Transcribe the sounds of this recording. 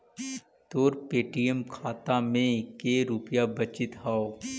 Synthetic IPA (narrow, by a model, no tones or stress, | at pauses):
t̪oːɾpeːʈijəmkʰaːt̪amẽkeːɾupjabɐt͡ʃɪt̪ɦaːoː